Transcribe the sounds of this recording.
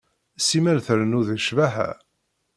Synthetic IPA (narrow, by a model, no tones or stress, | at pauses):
simælθəɾnuðəʃvæɦæ̰